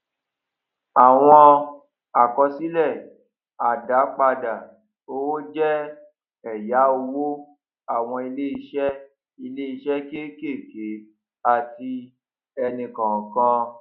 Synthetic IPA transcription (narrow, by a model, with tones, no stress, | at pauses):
a˨w̃ɔ̃˧ | a˨kɔ˧si˨˦lɛ˦˨ | a˨da˨˦k͡pa˧da˨ | o˧˦wo˦d͡ʒɛ˦ | ɛ˨ja˨˦o˧wo˦ | a˦˨w̃ɔ̃˧i˧le˦i˧ʃɛ˦ | i˧le˦i˧ʃɛ˦ke˦ke˦˨ke˨˦ | a˨ti˧ | ɛ˧nĩ˧kã˨kã˦